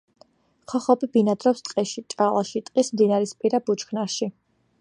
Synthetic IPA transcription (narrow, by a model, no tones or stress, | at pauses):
χʰɔχɔbibinad̪ɾɔpst̪ʼqʼɛʃit͡ʃʼalˠaʃit̪ʼqʼismd̪inaɾispʼiɾabut͡ʃkʰnaɾʃi